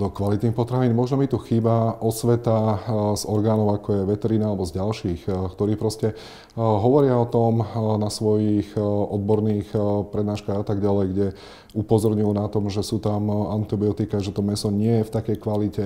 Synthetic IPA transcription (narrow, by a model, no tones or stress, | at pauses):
d̪ɔkʋalit̪niːxpɔt̪ɾaʋiːnmɔʒnɔmit̪uxiːbaʔɔsʋɛt̪azɔɾɡaːnɔʊakɔjɛʋɛt̪ɛɾiːnaalɛbɔzɟalʃiːxkt̪ɔɾiːpɾɔscɛ | ɦɔʋɔɾɪaɔt̪ɔmnasʋɔjixʔɔd̪̚bɔɾniːxpɾɛd̪naːʃkaɣat̪aɡɟalɛjɡɟɛ | upɔzɔɾɲujunat̪ɔmʒɛsuːt̪amant̪ibiɔt̪ikaʒɛt̪ɔmɛsɔɲɪɛjɛft̪akɛjkʋalicɛ